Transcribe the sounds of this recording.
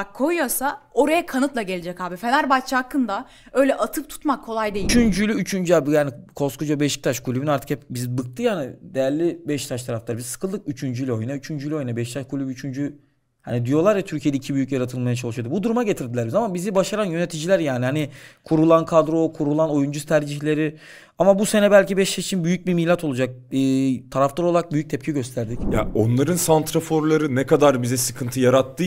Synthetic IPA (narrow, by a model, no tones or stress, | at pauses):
bakʰːo̞jujo̞sao̞ɾajakʰanɯt̪lˠaɟe̞lʲed͡ʒɛchaːbifenæɾbat͡ʃʰakːɯnd̪a | ø̞jlʲɛʔat̪ʰɯp̚t̪ʰu̥t̪makʰːo̞lˠajd̪ejit͡ʃynd͡ʒylʲyːt͡ʃʰynd͡ʒabjaːnikʰo̞skʰud͡ʒabeiʃi̥t̪ʰaʃkʰulʲybinaɾt̪ʰɯ̥khɛpbizbɯk̚t̪ʰɯjaːnid̪ejæɾlʲːibɛʃt̪ʰaʃt̪ʰaɾaft̪ʰaɾbizsɯ̥kʰɯlˠd̪ɯk̚yt͡ʃʰynd͡ʒylʲo̞jnayt͡ʃʰynd͡ʒylʲyo̞jnabɛʃt̪ʰaʃkʰulʲybyt͡ʃʰynd͡ʒy | ha̰nid̪ijo̞lˠaɾjat̪ʰyɾcʰijed̪ɛicʰibyjycjaɾat̪ʰɯlˠmajat͡ʃʰalˠɯʃɯad̪ɯbud̪uɾumaɟe̞t̪ʰiɾd̪ilʲæɾizamabizibaʃaɾanjø̞ne̞t̪ʰid͡ʒilʲæɾjaːnihanikʰuɾulˠankʰad̪ɾo̞kʰuɾulˠano̞jund͡ʒuzt̪ʰæɾd͡ʒiçlʲe̞ɾi | amabuse̞nɛbælʲcibɛʃt̪ʰait͡ʃʰinbyjyc̚bimilʲat̪ʰo̞lˠud͡ʒak̚ɯːt̪ʰaɾaflˠaɾolˠaɾak̚byjyc̚t̪ʰɛp̚cʰiɟø̞st̪ʰæɾd̪icja̰o̞nlˠaɾɯnsant̪ɾafo̞ɾlˠaɾɯnɛkad̪aɾbizɛsɯkʰɯnt̪ʰɯjaɾat̪ʰːɯ